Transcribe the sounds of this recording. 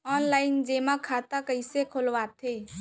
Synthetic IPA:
ɔːnlaːɪnd͡ʒeːmakʰat̪akəɪsekʰolʋat̪ʰe

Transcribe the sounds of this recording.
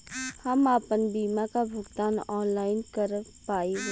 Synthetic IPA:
hɐmaːpənbiːmakabʱʊɡt̪aːnɔːnlaːɪnkəɾ | paːi

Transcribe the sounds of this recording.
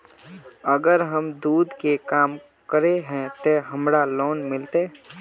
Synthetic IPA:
əɡəɾɦəmd̪uːd̪ʱkekaːm | kəɾeɦɛ̃t̪oɦəmɾaloːnmɪlt̪eː

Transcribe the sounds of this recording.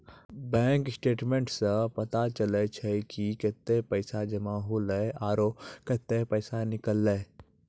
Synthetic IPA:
bɛ̃ːŋksʈeːʈmẽɳʈsəpɐt̪at͡ʃəlet͡ʃʰɛkiket̪ːepəɪsad͡ʒɐmaɦoləaːɾoket̪ːepəɪsanɪkəlːɛ

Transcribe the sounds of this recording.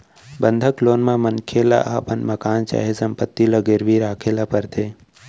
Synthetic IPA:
bənd̪ʱəkloːnmãmənkʰeːla̰ʔaːpənmɐkaːnt͡ʃa̰ːɦesəmpət̪ːiləɡeɾʋiɾaːkʰeːlapəɾt̪ʰeː

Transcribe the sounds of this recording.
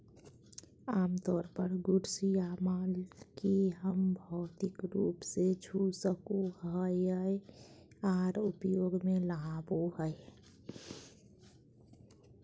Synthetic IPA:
aːmt̪ɔːɾpəɾɡuɽsiamalkiɦəmbʱɔːt̪ikɾupsed͡ʒʱusəkoɦəjəj | aɾupjoɡmelaɦaboɦəj

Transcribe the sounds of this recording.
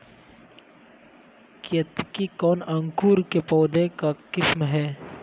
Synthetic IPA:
kiɐt̪kikɔːnɐŋkuːɾkepɔːd̪ẽkakɪsmɦɛː

